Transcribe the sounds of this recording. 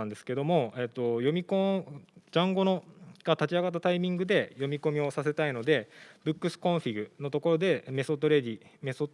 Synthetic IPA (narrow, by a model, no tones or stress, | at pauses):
nd̪e̞sɨ̥ke̞d̪o̞mo̞e̞t̪ːo̞jo̞mʲikõd͡ʑãŋɡo̞no̞ɡ̥at̪at͡ɕiaɡat̪̬ːat̪aimʲĩŋɡɯ̟d̪e̞jo̞mʲiko̞mʲio̞sase̞t̪aino̞d̪e̞bɯ̟kːɯ̟sɨ̥kõ̞ɰ̃ɸʲiɡɯ̟no̞t̪o̞ko̞ɾo̞d̪e̞me̞sot̪oɾe̞d̪ʲimeso